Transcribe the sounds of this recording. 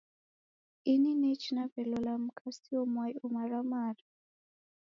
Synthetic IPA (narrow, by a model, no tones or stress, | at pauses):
ininɛt͡ʃinavɛlɔlam̩kʰʼasiɔmwajumaɾamaɾa